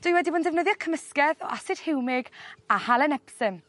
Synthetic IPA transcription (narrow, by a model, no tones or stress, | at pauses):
d̥wʊjwɛdibʊːndɛvnəðjɔkʰəməskɛðɔ̰ʔasɨd̥hɪwmɪɡahalˠɛnɛpsɨm